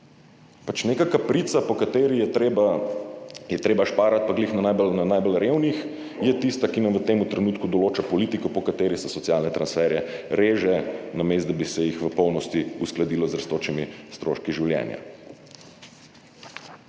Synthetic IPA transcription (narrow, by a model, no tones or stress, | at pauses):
pat͡ʃnekakapɾit̪sapɔkat̪eːɾiɛa | jɛt̪ɾeːbaʃpaːɾat̪̚paɡlixnanajbɔlnanajbɔlɾeːwnix | jɛt̪ist̪akinamʋət̪eːmut̪ɾɛnuːt̪kud̪ɔloːt͡ʃapɔliːt̪ikɔpɔkat̪eːɾisɛsɔt̪sjalnɛt̪ɾansfɛːɾjɛɾeːʒɛnameːst̪d̪abisɛjixʋəpɔwnɔst̪iusklad̪iːlɔzɾst̪oːt͡ʃimist̪ɾo̰ʃkiʒiwljɛ̰nja̰